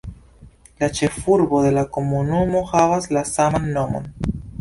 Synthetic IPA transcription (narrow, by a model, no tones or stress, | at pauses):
lat͡ʃe̞fuɾbo̞d̪e̞lako̞munumo̞havaslasamanːo̞mo̰n